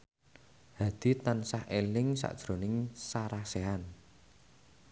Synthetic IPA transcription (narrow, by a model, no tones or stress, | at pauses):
ha̤d̪̥i̤t̪ansahelɪŋsa̰ʔd̥ʒ̥ɾo̤nɪŋsaɾaseɦan